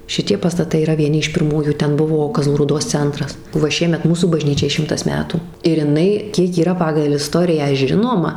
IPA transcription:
ʃʲɪˈtʲiɛ pɐstɐˈtɐɪ iːˈrɐ ʋʲiɛˈnʲɪ ɪʃ pʲɪrˈmuːjuː ˈtʲɛn ˈbʊʋoː kɐˈzlˠuː ruːˈdoːs ˈt͡sʲɛntrɐs ʋɐ ˈʃʲiɛmʲɛt ˈmuːsuː bɐˈʒʲnʲiːt͡ʃʲɛɪ ˈʃʲɪmtɐs ˈmʲæːtuː ɪr ɪˈnɐɪ ˈkʲiɛk iːˈrɐ pɐɡɐlˠ ɪˈstoːrʲɪjæː ˈʒʲɪnoːmɐ

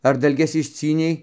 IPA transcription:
ɐr dɐlʲˈɡʲɛs ɪʃʲˈt͡sʲiːnʲɛɪ

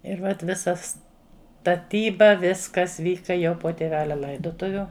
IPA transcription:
ɪr ʋɐt ˈʋʲɪsɐ stɐˈtʲiːbɐ ˈʋʲɪskɐs ˈʋʲiːkɐ jɛʊ poː tʲeːˈʋʲæːlʲɛ ˈlˠɐɪdoːtʊʋʲʊ

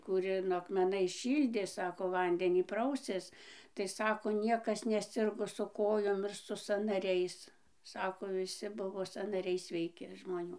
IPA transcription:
kuːˈrʲɪnoː ɐkmʲɛˈnɐɪs ˈʃʲiːlʲdʲeː ˈsɑːkoː ˈʋɐnʲdʲɛnʲiː ˈprɐʊsʲeːs tɐɪ ˈsɑːkoː ˈnʲiɛkɐs nʲɛˈsʲɪrɡoː sʊ ˈkoːjoːm ˈɪr sʊ sɐnɐˈrʲɛɪs ˈsɑːkoː ʋʲɪˈsʲɪ ˈbʊʋoː sɐnɐˈrʲɛɪ sʲʋʲɛɪˈkʲɪ ʒmoːˈnʲuː

